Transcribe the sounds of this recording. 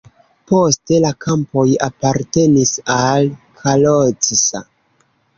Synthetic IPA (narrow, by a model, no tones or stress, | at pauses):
po̞ste̞lakʰampo̞japaɾte̞nisalkʰalot͡sisa̰